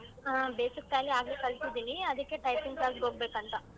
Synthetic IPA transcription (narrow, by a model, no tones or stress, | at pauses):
beːsikːaːɡiaːɡlekɐɭt̪id̪iːniɐd̪ɐkːe̞ʈɐjpiŋɡkaːɡɡoɡ̚beːkɐnt̪ɐ